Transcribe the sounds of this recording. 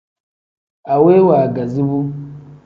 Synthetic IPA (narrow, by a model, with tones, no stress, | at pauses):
a˨we˦wa˨ɡa˨zi˦bu˦